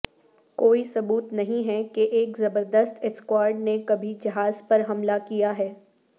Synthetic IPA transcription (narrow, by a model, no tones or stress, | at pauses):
koːisɐbuːt̪nɐɦĩɦɛkeʔeːkzɐbəɾd̪əst̪ɛskwaːɾɖnekɐbʱid͡ʒɐɦaːzpɐɾɦɐmlakijaɦɛː